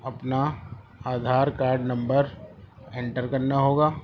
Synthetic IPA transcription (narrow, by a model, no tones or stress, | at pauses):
ɐpna | aːd̪ʱaːɾkaːɾɖnɐ̃mbəɾ | ẽɳʈəɾkɐɾnaɦoːɡaː